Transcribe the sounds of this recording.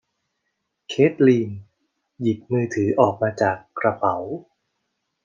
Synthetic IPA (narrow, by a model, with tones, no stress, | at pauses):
kʰeː˦˥t̪̚liː˧n | ji˨˩t̪̚mɯː˧t̪ʰɯː˩˦ʔɔː˨˩k̚maː˧t͡ɕaː˨˩kːɾa˧pʰa˩˦w